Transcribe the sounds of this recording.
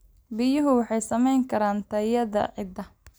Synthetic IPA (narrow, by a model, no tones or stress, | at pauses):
bɪjʊɦʊwɑħɑjsɐmɛjŋkʰɐɾaːnt̪ʰɐjɐðɐ̰ʕɪd̪ɐ